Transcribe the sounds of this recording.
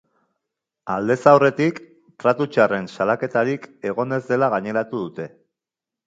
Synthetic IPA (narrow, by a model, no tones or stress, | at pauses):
ald̪e̞sawre̞t̪ik | t̪ɾat̪ut͡ʃare̞nsalake̞t̪aɾike̞ɣ̞o̞ne̞zd̪e̞laɣ̞aɲe̞ɾat̪uðut̪e̞